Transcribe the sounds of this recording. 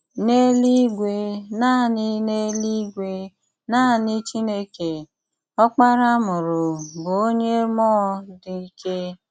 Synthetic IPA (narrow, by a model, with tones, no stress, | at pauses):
ne˦li˦ɡʷe˦na˦˨nɪ˦ne˦li˦ɡʷe˦ | na˦˨nɪ˦t͡ʃi˦ne˦ke˨ | ɔ˦k͡pa˦ɾa˦mʊ˨ɾʊ˨bo˨o˦ɲe˦mɔ˦dɪ˨i˦kʰe˦